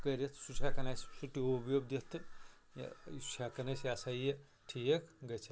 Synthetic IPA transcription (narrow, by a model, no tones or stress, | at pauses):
kɐɾet̪ʰsut͡ʃʰakɐnassuʈiobjob̚d̪et̪ʰɨ̰ | i̥t͡ʃʰakɐnɐsjasaje | ʈʰijekʰɡɐt͡ʃʰɐ